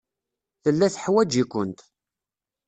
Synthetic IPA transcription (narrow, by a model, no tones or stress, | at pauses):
θəlːæθəħwæd͡ʒikʷənt̪